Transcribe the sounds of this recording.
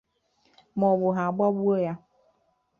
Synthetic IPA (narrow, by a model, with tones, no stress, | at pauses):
mɔ̃˨bʊ˨ɦa˨ɡ͡ba˦bu˦o˦ja˦